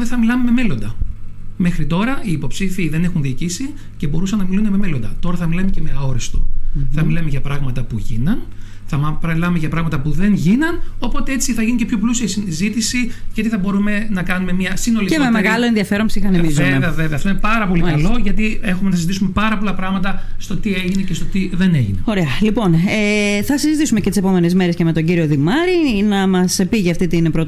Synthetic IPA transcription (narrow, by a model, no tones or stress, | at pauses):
ðeθɐmilɐmeme̞melo̞nd̪ɐme̞xɾit̪o̞ɾɐiːpo̞psifiðe̞ne̞xunðiːcisi | ce̞bo̞ɾusɐnːɐmilundeme̞melo̞nd̪ɐt̪o̞ɾɐθɐmilɐmece̞meɐo̞ɾest̪oθɐmilɐmeʝɐpɾɐɣmɐt̪ɐpuʝinɐn | θɐmɐpɐmilɐumeʝɐpɾɐɣmɐt̪ɐpuðe̞nʝinɐno̞po̞t̪e̞e̞t͡siθɐʝinicepço̞plusiɐsizit̪isiʝɐt̪iθɐbo̞ɾume̞nɐkɐnume̞mɲɐsino̞licemmemeɣɐloenðiɐfe̞ɾonsixɐnemizeeɐveveɐft̪oinepɐɾɐpo̞likɐlo̞ʝɐt̪ie̞xumenɐsizit̪isume̞pɐɾɐpo̞lɐpɾɐɣmɐt̪ɐst̪o̞t̪ie̞ʝine̞cest̪o̞t̪iðe̞ne̞ʝineo̞ɾeɐlipo̞neθɐsizit̪isume̞cet̪ise̞po̞me̞nezme̞ɾesceme̞t̪o̞ɲɟiɾio̞ðimɐɾinɐmɐspiʝiɐft̪it̪inpɾot̪